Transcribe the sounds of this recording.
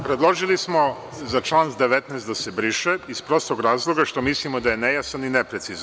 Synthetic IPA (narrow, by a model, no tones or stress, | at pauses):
pɾed̪lˠo̞ʒilismo̞ | zat͡ʃlˠaːnzd̪eʋet̪nɛːst̪d̪asebɾiʃeispɾo̞st̪ˠoɡɾaːzlˠo̞ɡaʃt̪o̞mislimod̪ajenejasaninepɾet̪siz